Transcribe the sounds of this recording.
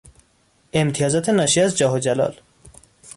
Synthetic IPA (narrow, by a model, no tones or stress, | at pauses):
emt̪ʰijɒːzɒːt̪ʰenɒːʃiæzd͡ʒɒːɦod͡ʒælɒ̰ːl